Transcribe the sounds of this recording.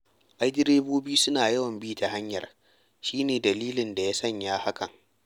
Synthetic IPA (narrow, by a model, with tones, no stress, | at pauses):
ʔa˦jdɪ˦ɾeː˦boː˦biː˦sʊ˦naː˨jɐ˦wɐ˨mbiː˦ta˨ɦa˦ɲjɐ̰˨r | ʃiː˦neː˨dɐ˨liː˦lɪ˨nda˨jaː˦sɐ˦˨ɲjaː˦ha˦kɐ˨ŋ